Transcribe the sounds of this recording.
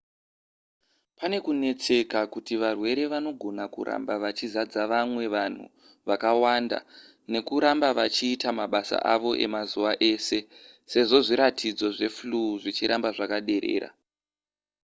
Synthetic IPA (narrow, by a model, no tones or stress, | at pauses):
pane̞kune̞t͡se̞kakutiʋarwe̞ɾe̞ʋano̞ɡʱo̞nakṵɾa̰mbaʋat͡ʃizad͡zaʋamwe̞ʋan̤ṵ | ʋakawanda̰ | ne̞kuɾambaʋat͡ʃiːtamaɓasa̰ʔaʋo̞ʔe̞̰mazuʋaʔe̞se̞se̞ʐo̞ʐiɾatʰid͡zo̞ʐe̞fluʐit͡ʃiɾʔambaʐakaɗe̞ɾe̞̰ːɾa̰